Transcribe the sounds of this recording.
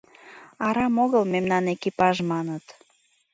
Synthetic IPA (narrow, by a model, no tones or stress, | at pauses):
ɑɾɑmoɣəlmemnɑnekipɑʒmɑnət̪